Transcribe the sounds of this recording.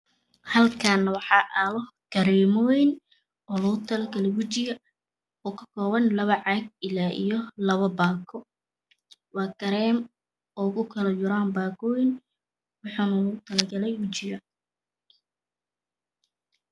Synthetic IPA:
hɐlkʰaːnɐwɑħɑːʔalɔ | ɡ̥ɐɾɛːmɔɪn | ɔːlʊɣʊt̪ʰɐlɐɡɐlɛwʊt͡ʃɪjɐ | ɔːkʰɐ̥kʰɔːβɐnlɐβɐʕɑɡ̚ɪlaːʔḭjɔlɐβɐbaːkʰɔ | wɑːɡɐɾɛːm | ɔːkʊkʰɐlɐjʊɾaːmbaːɡɔːjɪn | wɑħuːnɐlʊɣʊt̪ʰɐlɐɡɐlɛjwʊt͡ʃɪjɐ

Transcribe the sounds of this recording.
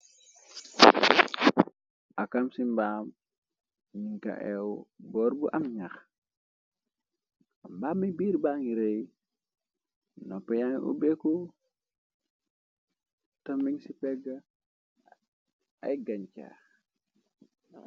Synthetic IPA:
ʔakamsimbam | niŋka̰ʔɛwbɔɾbuʔamɲax | ambaːmibiɾbaŋiɾej | nɔpːɛjaniʔṵbeku | tomiŋsipɛɡa | a̰jɡaɲca̰ː

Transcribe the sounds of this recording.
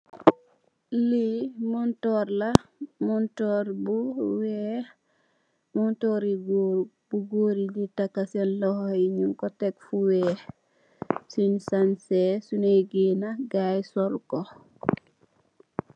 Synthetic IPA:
limɔntɔɾlamuntɔɾbuwɛ | muntɔɾiɡ | buɡoːɾilitakːasɛnlɔhiɲunkɔtɛkfuwɛ | sinsansɛsunejɡinaɡajsɔlko

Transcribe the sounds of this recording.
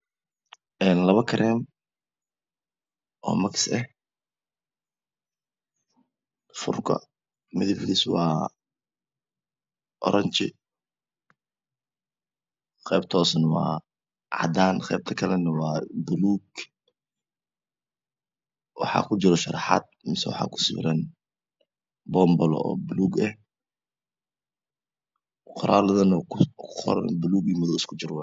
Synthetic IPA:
ɛːnlɐβɐkʰɐɾɛːm | ʔɔ̰ːmɐksɛh | fʊ̰rkʰɐ̰ | mɪðɪfɪliswɑː | ʔɔ̰ɾʔɐɲt͡ʃɪ | χɛjb̚t̪ʰɔːsɐnwɑ̰ː | ʕɑ̰d̪aːnqɛjb̚t̪ʰɐkʰɐlɛnɐwɑːbʊluːɡ | wɑ̰ħɑ̰ːkʰʊd͡ʒɪɾɔʃɐɾɑħa̰d̪̚mɪsɛwɑ̰ħɑ̰ːkʰʊ̥sɪ̰ɾɐn | bɔmbɔlɔ̰ɔ̰ːbʊluːɡɛh | qʰʊɾaːlɐðɐnɔɔ̰ɾnbʊluːɡimɐðɔɪskʰʊd͡ʒɪɾwɛ

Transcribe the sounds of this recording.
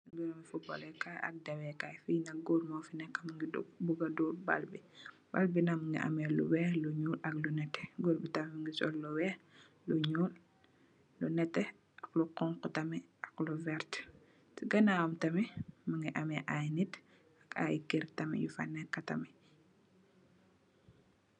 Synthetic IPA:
ɡuɾɐmifubɔ̰lɛkaɐ̰k̚dɐwɛkajfinɐk̚ɡuɾmɔfinɛkːɐmɐŋɡidṵbuɡɐduba̰lbi | b̥albinaməŋɡḭʔɐ̰mɛlṵwɛluɲuːlɐklunɛtːɛ̥ɡuɾbitɐmimiŋɡisɔlːuwɛ | luɲuːlː | unɛtːɛ | ɐkluqɔŋkutɐmi | ɐkluvɛɾt | tiɡɐnawɐmtɐmiməŋɡiʔɐmɛʔajnit | ɐka̰jkiɾtɐmḭjufa̰nɛkːɐtɐ̰mi

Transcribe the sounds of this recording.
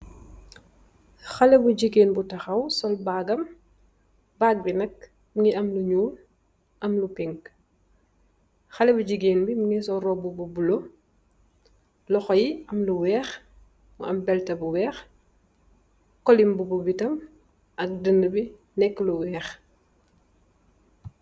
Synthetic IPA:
xɐlɛbuɟiɡeːnbutɐxɐwsɔlbaːɡɐm | bak̚binɐk̚ | mŋiʔɐmluɲuːl | ʔɐmlupiŋɡ | xɐlɛbuɟiɡeːnbimuŋisɔrɔbububulo | lɔxɔjiɐmluwɛːx | ṵɐmbɛltɐbuwɛːx | kɔlimbububitɐm | ʔɐk̚dəndəbi | nɛkːluwɛːx

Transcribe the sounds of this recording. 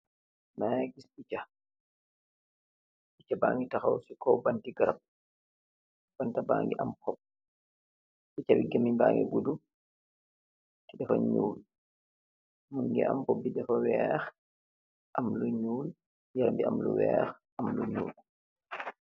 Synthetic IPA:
maɡisbit͡ʃa | bit͡ʃaba̰ːŋɡitaxawsikɔbantiɡaɾab̚ | b̥antabaːŋɡɛʔamkɔp̚ | bit͡ʃawiɡamimbaːŋɡɛ̰ɡudu | tidɛfaɲuːl | muŋɡɛ̰ʔa̰mbɔbːidɛfawɛx | ʔamluɲuːl | jaɾmbia̰mlṵwɛːx | ʔamluɲṵːl

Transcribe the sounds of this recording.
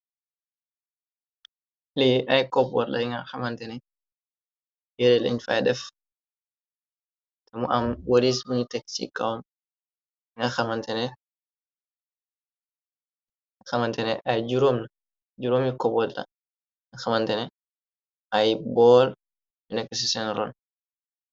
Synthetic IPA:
liʔajkɔbɔ̰lla̰iŋɡaxamantɛnɛ | jɛɾɛlḭɲfa̰dɛf | tɛmɔʔamwaɾisbiɲitɛksḭkːa̰wm | ŋɡaxamantɛnɛ | axamantɛnɛʔajd͡ʒuɾomna | d͡ʒuɾomikɔbɔlla̰ | ŋaxamantɛnɛ | ʔajbɔl | binɛkːɛsisɛnɾɔ̰n

